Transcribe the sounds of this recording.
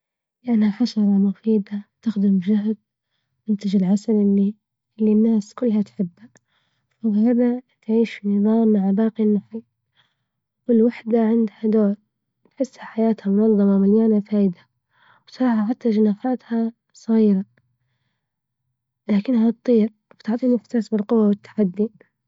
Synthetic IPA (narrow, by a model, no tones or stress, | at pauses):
lɪʔanhaħaʃɑɾˤɑmʊfiːd̪at̪ɪxd̪ɪmd͡ʒaɦd̪̚ | ʔɪnt̪ad͡ʒɪlʕasalʔɪlːi | ɪlːinːaːskʊlːhat̪ħɪbːa | fahaðat̪ʕiːʃfinɨðˤɑːmːaʕbaːqinːʊħi | wɪlwaħd̪aʕɪnd̪had̪oːɾ | t̪ħɪsːhaħajaːt̪hamʊnɑðˤːɑmɑmaljaːnafaːʔɪd̪a | wsɾˤɑːhaħat̪ːad͡ʒanaːfaːt̪ha | sˤɣiːɾa | laːkɪnːhat̪t̪ˤːiːɾ | ft̪ʊʕt̪ˤiːnɪft̪asbɪlqʊwːawɪt̪ːḁħad̪ːi